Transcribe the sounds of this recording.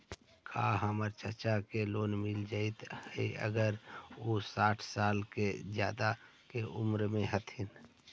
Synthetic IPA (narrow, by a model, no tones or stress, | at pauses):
kʰa̰ɦəməɾt͡ʃəɾt͡ʃakeloːnmɪld͡ʒaːɪt̪həiə̰ɡəɾosaːʈʰsaːlked͡ʒjaːd̪a | keʔʊmɾmẽɦət̪ʰɪn